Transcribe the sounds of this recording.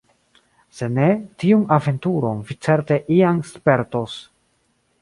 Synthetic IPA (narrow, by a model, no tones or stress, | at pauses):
se̞ne̞tiunave̞ntuɾo̞nvit͡se̞ɾte̞ʔianspe̞ɾto̞s